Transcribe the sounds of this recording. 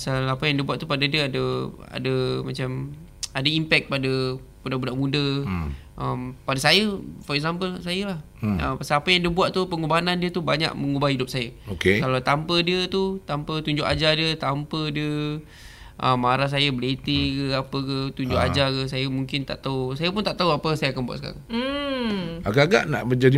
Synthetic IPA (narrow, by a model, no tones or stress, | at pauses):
pasalapəjaŋdiəbuaʔ̪t̪upadədiəadəa̰dəmat͡ʃam | adəimpɛk̚padə | budaʔbudaʔmũdə | ʔəmpadəsajəfɔɾɛksampəlsajəlah | əmpasalapəjaŋdiəbuaʔ̪̚t̪upəŋubanandiət̪ubaɲa̰ʔməŋubahidʊp̚sajəokekalat̪ampədiət̪ut̪ampət̪uɲd͡ʒʊʔad͡ʒadiət̪ampədiə | ʔəmːaɾahs̬ajəbəlet̪ikəapəkət̪uɲd͡ʒʊʔa̰d͡ʒakəsajəmuŋkɪnt̪a̰ʔt̪ausajəpunt̪aʔt̪auapəsajəakanbua̰ʔ̪səka̰ɾa̰ | aɡaɡa̰ʔna̰ʔbəd͡ʒadi